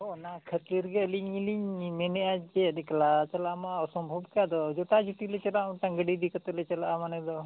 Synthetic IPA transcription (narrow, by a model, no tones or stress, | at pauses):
ɦɔnakʰət̪liɾɡəliɲiliɲmenead͡ʒeɗiklat͡ʃɐlamawsɔmbʱɔbkad̪ɔd͡ʒoʈad͡ʒuʈilet͡ʃɐlaũʈãŋɡəɖid̪ikət̪ɔlet͡ʃɐlaʔamanɛd̪ɔ